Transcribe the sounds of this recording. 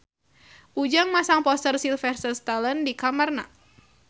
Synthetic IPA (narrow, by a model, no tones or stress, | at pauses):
ʔud͡ʒaŋmasaŋpɔst̪ərsilfɛrsəst̪aləndikamarna̰